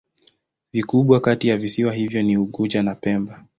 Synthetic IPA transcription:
vikuɓwakatijavisiwaɦivjɔniuɠud͡ʒanapɛmba

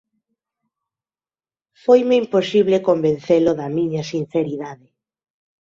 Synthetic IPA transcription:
fojmeimposiβlekombẽn̟θeloðɐmiɲasin̟θeɾiðaðɪ

